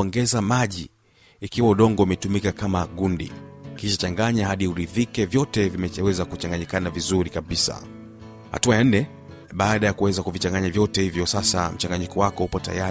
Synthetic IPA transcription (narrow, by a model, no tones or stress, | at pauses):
ɔŋɡɛzamaʄiː | kiwauɗɔŋɡɔimɛtumikakamaɠundḭkiʃat͡ʃaŋɡaɲahaɗiuɾiðikɛvjɔtɛvimɛwɛzakut͡ʃaŋɡaɲikanavizuɾikaɓisa̰ | ha̰tuajan̩nɛ | ɓaːɗajakuwɛzakuvit͡ʃaŋɡaɲavjɔtɛhivjɔsasa̰m̩t͡ʃaŋɡaɲikɔwakɔhupɔta̰ja